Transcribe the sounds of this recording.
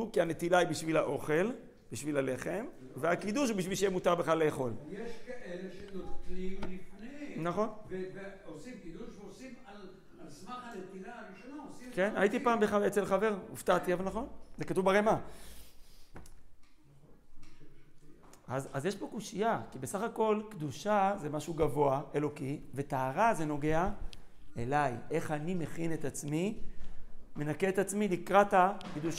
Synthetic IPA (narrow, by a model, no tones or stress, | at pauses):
ukiane̞t̪ilaibiʃvilaʔo̞χe̞l | biʃvilale̞χe̞m | veakid̪uʃ̬hubiʃvilʃejemut̪aʁbeχale̞ːχo̞ljeʃkaʔeleʃenoklimlifnenaχo̞nveveosimkid̪uʃveosimal | alsmaχanet̪ilaʁiʃonaosimkena̰jit̪ipaːmbeχalet͡selχave̞ʁṵft̪at̪iavanaχo̞nzekat̪uvbaʁema | azazjeʃpo̞kuʃijakibe̞saχako̞lkd̪uʃaze̞maʃuɡavo̞aʔe̞lo̞kive̞t̪aːʁaze̞no̞ɡe̞a | e̞lajʔe̞χanime̞χine̞t̪at͡smi | me̞nakeet̪at͡smilikʁat̪akd̪uʃ